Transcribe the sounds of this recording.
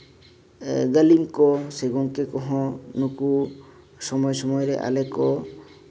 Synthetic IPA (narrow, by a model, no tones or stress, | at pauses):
ɡəlimkɔseɡɔŋkekɔɦɔ̃nuku | sɔmɔjsɔmɔjɔɾḛʔa̰lekɔ